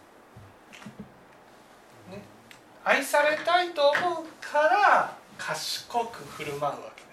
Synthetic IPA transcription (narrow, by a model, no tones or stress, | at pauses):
n | aisaɾe̞t̪ait̪o̞ːmo̞ɯkʰaɾakʰaɕi̥ko̞kɯ̟ɸɯ̟ɾɯ̟maɾɯ̟βa̰ke̥